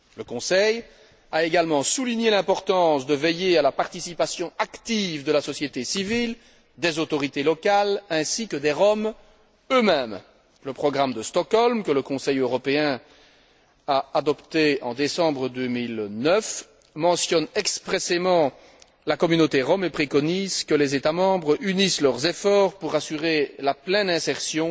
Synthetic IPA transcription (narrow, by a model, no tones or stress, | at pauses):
ləkɔ̃sɛj | aeɡalmɑ̃suliɲelɛ̃pɔʁt̪ɑ̃sd̪əvejealapaʁt̪isipasjɔ̃akt̪ivd̪əlasɔsjet̪esivil | d̪ezot̪ɔʁit̪elɔkalɛ̃sikəd̪eʁɔm | ømɛm | ləpχɔɡʁamd̪əst̪ɔkɔlmkələkɔ̃sɛjøʁɔpeɛ̃ | aad̪ɔpt̪eɑ̃d̪esɑ̃bʁəd̪ømilnœf | mɑ̃sjɔnɛkspχesemɑ̃ | lakɔmynot̪eʁɔmepχekɔnizkəlezet̪amɑ̃bʁynislœʁzefɔːʁpuʁasyʁelaplɛnɛ̃sɛʁsjɔ̃